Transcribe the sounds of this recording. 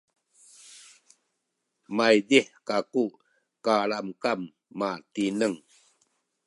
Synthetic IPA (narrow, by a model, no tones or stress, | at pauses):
majdiħkaku | kaɭamkamː | atinəŋ